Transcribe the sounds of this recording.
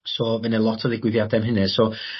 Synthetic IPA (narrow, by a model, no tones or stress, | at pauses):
sovɛnəlˠɔtʰəðɪɡwɪðjad̪ɛmɦɪnɛso